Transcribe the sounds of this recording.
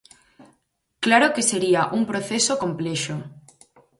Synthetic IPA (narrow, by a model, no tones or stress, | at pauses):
klaɾokeseɾiaʔuŋpɾoθesokompleʃo